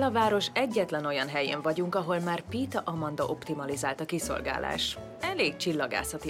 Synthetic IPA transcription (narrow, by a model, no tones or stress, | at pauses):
lɒvaːɾo̞ʃɛɟːɛt̪lɛno̞jɒnɦɛjḛːɱvɒɟuŋkɒɦo̞lmaːrpiːt̪ɒʔɒmɒnd̪ɒʔo̞pt̪imɒlizaːlt̪ɒkiso̞̰lɡa̰ːla̰ːʃ | ɛleːk̚t͡ʃilːɒɡa̰ːsɒt̪i